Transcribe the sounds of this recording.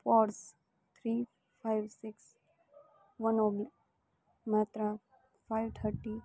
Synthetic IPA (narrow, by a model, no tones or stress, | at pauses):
pɔɾs | t̪ʰɾiː | fʰajʋsɪks | ʋənoːbl | maːt̪ɾa | fajʋt̪ʰəɾʈi